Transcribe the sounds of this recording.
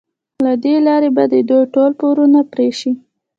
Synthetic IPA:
lad̪elɑɾebad̪əd̪ojʈolpoɾunapɾeʃi

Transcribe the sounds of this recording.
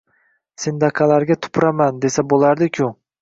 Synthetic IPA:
sɪnd̪ɑqʰɑlaɾɡʲat̪ʰʊ̥pʰɾamand̪e̞sabolˠaɾd̪ɪkʲʰʊ

